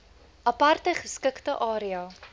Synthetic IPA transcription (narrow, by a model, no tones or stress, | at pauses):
ʔɐpɐrtəχəskəktəʔɑːɾiɑ